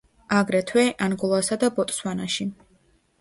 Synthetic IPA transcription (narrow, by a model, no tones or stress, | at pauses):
aɡɾɛt̪ʰwɛʔanɡulˠasad̪abɔt̪ʼswanaʃi